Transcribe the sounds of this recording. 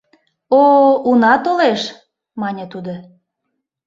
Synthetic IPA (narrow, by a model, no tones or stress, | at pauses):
ounɑt̪oleʃ | mɑnʲət̪ud̪o